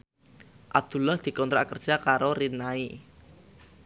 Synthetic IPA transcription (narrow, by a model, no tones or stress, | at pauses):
ʔab̚d̪̥ṳlahd̪̥i̤kɔnt̪ɾa̰ʔkərd̥ʒ̥akaɾoɾinai